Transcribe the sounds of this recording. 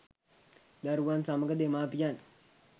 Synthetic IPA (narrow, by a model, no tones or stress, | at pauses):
d̪aɾuʋansaməɡəd̪emaːpijan